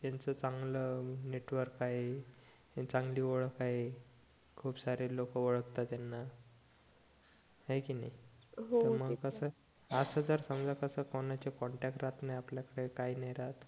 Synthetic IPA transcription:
t̪jant͡sət͡sãŋɡləːneʈʋəɾkaɦe | t͡sãŋɡliːʋəɭəkaɦe | kʰuːpsaɾelokəʋəɭəkt̪at̪janːa | ɦajkiːnajɦoəɾməɡəsə | əsəd͡zəɾsəmd͡zakəsəkɔɳat͡ɕekɔɳʈɛk̚ʈɾat̪najapljakəɽekaiːnəjɾat̪

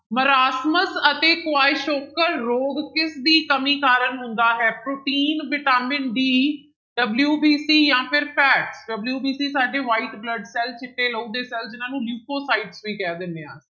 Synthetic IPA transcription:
məɾaːsməsət̪eːkʊaːɪʃoːkəɾːoːɡkɪsd̪iːkəmiːkaːɾənɦʊnd̪aːɦɛːpɾoːʈiːnʋɪʈaːmɪnɖiː | ɖəbljuːbiːsiːjãːpʰɪɾpʰɛːʈsɖəbljuːbiːsiːsaːɖeːʋaːiʈbləɖsɛːlt͡ʃʰɪʈːeːləũːd̪eːsɛːld͡ʒɪnãːnũːluːkoːsaːiɖsʋiːkɛːd̪ɪnːẽːãːs

